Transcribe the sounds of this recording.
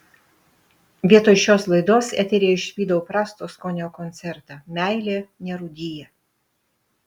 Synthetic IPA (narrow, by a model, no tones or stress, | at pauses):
ʋʲiɛt̪oːʃʲoːslˠɐɪd̪oːsɛt̪ʲɛɾʲijɛɪʃʲʋʲiːd̪ɐʊpɾɑːst̪oːskɔːnʲoːkɔnʲt̪sʲɛɾt̪ɑmʲæˑɪlʲeːnʲɛɾʊd̪ʲiːjɛ